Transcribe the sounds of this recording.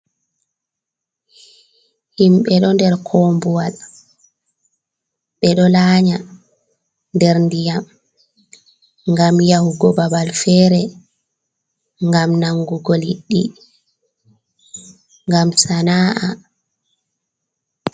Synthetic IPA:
himɓɛɗɔndɛɾkʰɔːmbuwal | ɓɛɗɔlaːɲa | ndɛɾndijam | ŋɡamjahuɡɔbabalfɛːɾɛ | ŋɡamnaŋɡuɡoliɗːi | ŋɡamsanaːʔa

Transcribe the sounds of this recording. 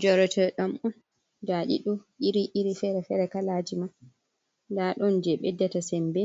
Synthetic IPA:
d͡ʒɔɾɔtʰɛɾɗamɔn | d͡ʒaɗḭɗɔʔiɾiʔiɾifɛɾɛfɛɾɛkalad͡ʒima | ndaɗɔnd͡ʒɛɓɛdːɛtasɛmbɛ

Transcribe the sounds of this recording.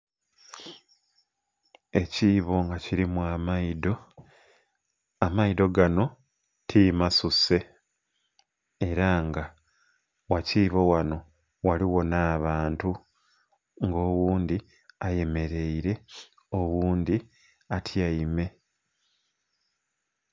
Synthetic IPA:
e̞ciːβo̞ŋɡaciɾimwamaido | amaido̞ɡano̞ | tʰimasuse̞ | ɾaŋɡa | waciːβo̞wano̞ | waliwo̞naːβaːntu | ŋɡo̞ːwuːnd̪i | aje̞me̞ɾe̞iɾe̞ | o̞wuːnd̪i | atʰjaime̞

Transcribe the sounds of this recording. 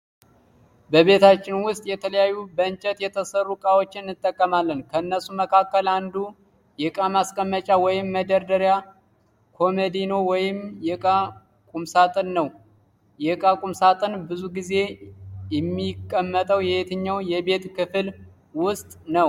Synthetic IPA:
bəβe̞t̪ʰat͡ʃːɪnwʊst̪ʼjɛt̪ʰələjajːubəɨnt͡ʃʼət̪jɛt̪ʰəsərːukʼawo̞t͡ʃːɪnːɨt̪ʼːəkʼːəmalːənkʰəɨnːəsuməkʰakːəland̪u | jɛkʼamaskʼəmːət͡ʃʼawɔjɪmːəd̪əɾd̪əɾja | kʰo̞med̪ino̞wɔjɪmjɛkʼa | kʼumsat̪ʼɨnːəw | jɛkʼakʼumsat̪ʼɨnbɨzuɡize̞jɛmːikʼːəmːət̪ʼəwjɛhet̪ʰɨɲːawjɛbe̞t̪kʰɨfɨl | wʊst̪ʼnəw

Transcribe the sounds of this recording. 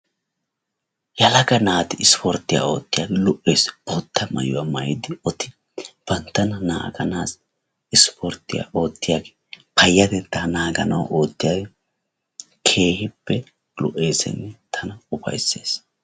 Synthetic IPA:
jɐlɐɡɐnaːt̪ɪɪspʰɔɾt̪ːɪja̰ːo̞ːt̪ːɪjaːɡɛlɔʔeːsb̥ot̪ʰːɐmɐ̰jʊwamɐjɪd̪ɪɔt̪ɪ | b̥ɐnt̪ːɐnɐna̰ːɡɐnaːs | ɪspʰɔɾt̪ːɪja̰o̞ːt̪ːɪjaːɡɛ | pʰɐjːɐd̪ɛnt̪ːɐnaːɡɐnɐwɐ̰ʔo̞ːt̪ːɪjaɡɛ | kʰe̞ːhɪpːɛ | lɔ̰ʔe̞ːsɛ̰nːɛt̪ʰɐnɐʊbɐ̰jsːe̞̰ːs

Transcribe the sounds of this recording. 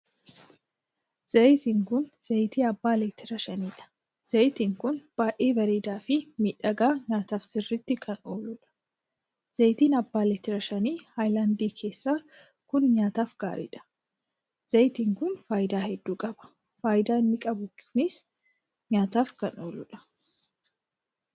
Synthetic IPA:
z̥ɐjt̪iːŋkʊnz̥ɐjt̪iːɐbːaːlɛːt̪ːɪɾɐʃɐniːᶑɐ̥ | z̥ɐjt̪iːŋkʊnb̥aːʔeːvɐɾiːd̪aːfɪmiːᶑɐɡaːɲaːt̪aːfsɪrːɪt̪ːɪkʰɐno̞ːlʊᶑɐ̥ | z̥ɐjt̪iːnɐbːaːlɛt̪ːɪɾɐʃɐniːhajlaːnd̪iːkʰe̞ːsːaː | kʊnɲaːt̪aːfɡ̥a̰ːɾḭːᶑɐ̥ | z̥ɐjt̪iːŋkʊnfaːjɪd̪aːhɛd̪ːuːkʼɐbɐ̥ | faːjɪd̪aːɪnːɪkʼɐbʊnɪs | ɲaːt̪aːfkɐno̞̰ːlʊᶑɐ̥

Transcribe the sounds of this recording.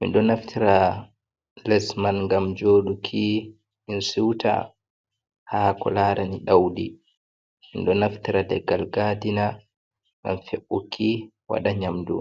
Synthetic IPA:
mḭnɗɔnaftʰiɾa | lɛsmanŋɡamd͡ʒoːɗukʰi | insiwtʰa̰ | hakɔ̰laːɾaniɗawdi | minɗɔnaftiɾadɛɡːalɡadina | ŋɡa̰mfeɓːukʰi | wa̰ɗaɲamdṵ

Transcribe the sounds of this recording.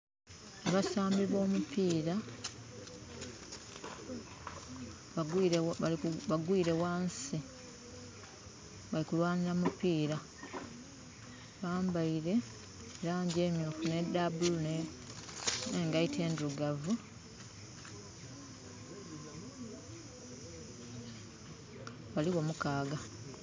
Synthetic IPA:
aβasaːmbiβo̞ːmupʰiːɾa | βaɡi | βaɡwiːɾe̞waːnsi | βalikulwaːniɾamupiːɾa | βaːmbaiɾe̞ː | ɾaːɲɟe̞ːmjofune̞d̪abulune | ŋɡaitʰe̞ːnduɡavu | βaliɣo̞mukaːɡa

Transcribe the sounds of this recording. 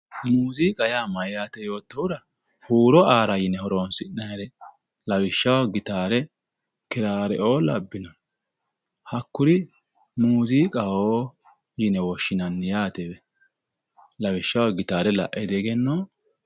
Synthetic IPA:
muːziːkʼɐjaːmɐjjaːt̪ɛjo̞ːt̪ːɐwʊɾɐ | huːɾɔaːɾɐjɪnɛhɔɾoːnsɪnːɐɛɾɛ | lɐwɪʃːɐwaɡɪt̪aːɾɛ | kɪɾaːɾɛʔoːlɐbːɪnɔ | hɐkːʊɾɪ | muːziːkʼɐhoː | jɪnɛwɔʃːɪnɐnːɪjaːt̪ɛbɛ | lɐwɪʃːɐwaɡɪt̪aːɾɛlɐ̰ʔɛd̪ɛɡɛnːoː

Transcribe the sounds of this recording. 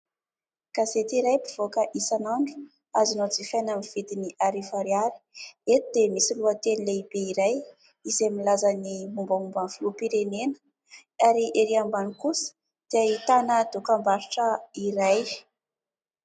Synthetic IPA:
ɡ̥azet̪iɾajpiv̥okəʔisanaɳɖ͡ʐu̥ | azinod͡zifajnamiv̥id̪iniʔaɾivaɾiaɾi̥et̪id̪̥emisiluat̪enileib̥eiɾaj | izemilazənimumbamumbanflupiɾenenə̥ | aɾiʔeɾiambanikusə̥ | d̪̥eait̪anəd̪okambaɾiʈ͡ʂəiɾaj

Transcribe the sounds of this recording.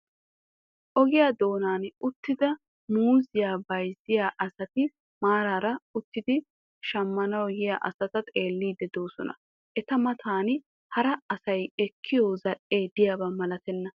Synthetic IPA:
ʔɔɡɪjaːd̪o̞ːnaːnʊt̪ːɪd̪ɐ | muːzɪjaːbɐjzɪjaːʔɐsɐt̪ɪ | maːɾaːɾɐʊt̪ːɪd̪ɪ | ʃɐmːɐnɐwjɪjaːʔɐ̰sɐt̪ɐt̪ʼeːlːiːd̪ːɛd̪o̞ːsɔnɐ̰ | ʔɛt̪ɐmɐt̪ʰaːn | hɐɾɐɐsɐjɛkʰːɪjoːzɐᶑeːd̪ɪjaːbɐmɐlɐt̪ɛnːɐ

